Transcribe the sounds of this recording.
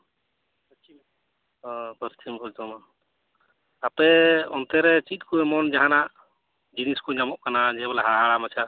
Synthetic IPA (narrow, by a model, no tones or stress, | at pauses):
t͡ʃʰim | ɔ̃bʱəɾt̪ʰimkɔd͡ʒd̪ɔman | apɛɔnt̪ɛɾɛt͡ʃit̪̚kuɛmɔnd͡ʒaɦanaʔ | d͡ʒiniskuɲamɔʔkanad͡ʒɛbɔlaɦaɦaɽamat͡ʃʰa